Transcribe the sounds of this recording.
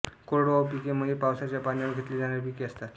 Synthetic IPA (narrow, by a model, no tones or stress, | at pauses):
koɾɽoʋapikeməipawsat͡ɕjapanjaɽɡʱet̪lid͡zanapikeəst̪a